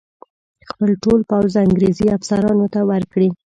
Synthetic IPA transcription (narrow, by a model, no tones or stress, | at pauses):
xpəlʈolpawzaŋɡɾeziafsaɾɑnot̪awəɾkɽi